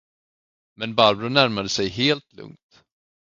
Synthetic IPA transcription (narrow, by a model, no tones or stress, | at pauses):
mɛnbaɾbɾʊnæɾmad̪əsɛjɦeːlt̪lɵ̰ŋt̪